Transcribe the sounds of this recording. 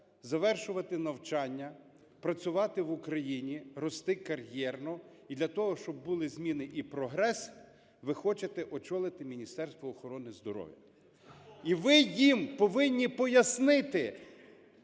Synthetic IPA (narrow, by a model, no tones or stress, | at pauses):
zɐʋɛrʃʊʋɐt̪ɪnɐwt͡ʃɑnʲːɐ | pɾɐt͡sʲʊʋɑt̪ɪʋʊkɾɐjinʲiɾɔst̪ɪkɐɾjɛrnɔ | id̪lʲɐt̪ɔɦɔʃt͡ʃɔbːulˠɪzmʲinɪʔipɾɔɦɾɛs | ʋɪxɔt͡ʃet̪ɛʔɔt͡ʃɔlˠɪt̪ɪmʲinʲist̪ɛrst̪ʋɔːxɔɾɔnɪzd̪ɔɾɔ̰ʋʲjḭ | iʋɪjimpɔʋɪnʲːipɔjɐsnɪt̪ɪ